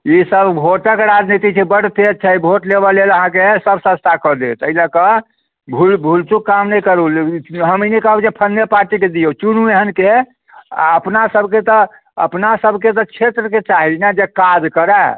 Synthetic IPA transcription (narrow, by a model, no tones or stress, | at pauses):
isəbbʱoʈəkeɾad͡ʒnit̪it͡ʃʰɛbəɽt̪et̪̚t͡ʃʰɛibʱoʈlebəleləɦãkesəbsəst̪ʰakəd̪et̪əilakə | bʱulbʱult͡ʃukːamnɛjkəɾulɦəminɛkəɦd͡ʒepʰənːepaɾʈiked̪ijot͡ʃunueɦənke | a̰əpnasəbʱket̪ɔ | ə̰pnasəbʱket̪̬ɔt͡ʃʰet̪ɾəket͡ʃaɦinɛd͡ʒekad͡ʒkəɾɛ